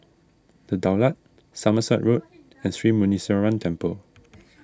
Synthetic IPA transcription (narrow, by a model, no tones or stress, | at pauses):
d̥ədaʊlat̚ | saməsaʔɹot̚ | ɛ̃nθɹimunisɛɹãntʰɛ̃mpəl